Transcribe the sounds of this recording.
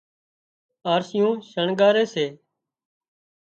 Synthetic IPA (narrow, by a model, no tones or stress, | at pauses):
aːɾsɪjũːʃəɳɡaːɾeːseː